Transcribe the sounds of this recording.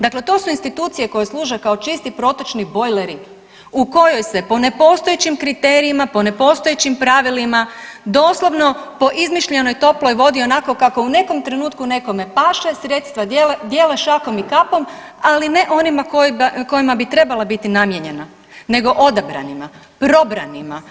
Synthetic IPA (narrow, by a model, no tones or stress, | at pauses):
d̪akle̞t̪o̞suinst̪it̪uːt̪sije̞ko̞jeslˠuːʒekao̞t͡ʃist̪ipɾo̞t̪ot͡ʃnibo̞jleɾi | uko̞jo̞jse̞po̞ne̞po̞ːst̪ojet͡ɕimkɾit̪eːɾiimapo̞ne̞po̞ːst̪ojet͡ɕimpɾaʋilimad̪o̞ːslˠoʋno̞po̞ʔizmiʃʎe̞no̞jt̪o̞plo̞jʋo̞d̪io̞nako̞kako̞une̞ko̞mt̪ɾenuːt̪kune̞ko̞me̞paʃesɾe̞t̪st̪ʋaed̪jeːleʃako̞mikapo̞maline̞ʔo̞nimakoko̞jimabit̪ɾe̞balˠabit̪inamjeɲe̞na | ne̞ɡo̞ʔo̞d̪abɾa̰nima | pɾo̞bɾa̰nima